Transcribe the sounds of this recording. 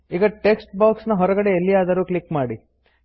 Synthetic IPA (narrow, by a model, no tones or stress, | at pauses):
iːɡɐʈeksʈ̚baːksnɐɦɔɾɐɡɐɽeːlːijaːd̪ɐɾuːklikmaːɽi